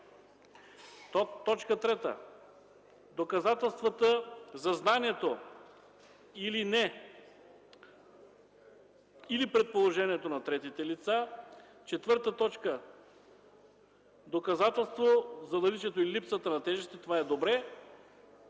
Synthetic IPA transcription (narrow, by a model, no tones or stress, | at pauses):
t̪ːɔt͡ʃkət̪ɾɛt̪ə̰ | d̪okɐzat̪ɛlˠst̪vɐt̪əzɐznaniɛt̪o | ilinɛ | ilipɾɛt̪̚polˠoʒɛniɛt̪onɐt̪ɾɛt̪it̪ɛlit̪sa | t͡ʃɛt̪vɤɾt̪ət̪ɔt͡ʃkə | d̪okɐzat̪ɛlˠst̪vozɐd̪ɐlit͡ʃɛt̪oiilipsət̪ənɐt̪ɛʒɛst̪ɛt̪ovaɛd̪obɾɛ